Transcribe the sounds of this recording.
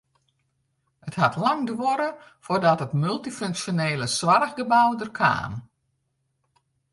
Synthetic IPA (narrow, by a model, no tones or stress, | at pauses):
əthatlɑŋdʋɔɾə | fordɔtətmylˠtiføŋksjoneːləswarɣɡəbawdərkʰa̰ːm